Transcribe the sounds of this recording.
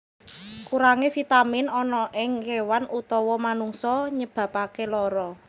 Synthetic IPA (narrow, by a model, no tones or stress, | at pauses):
kuɾaŋefit̪amɪnɔnɔʔɪŋkewanʔut̪ɔwɔmanuŋsɔɲəb̥ä̤pakelɔɾɔ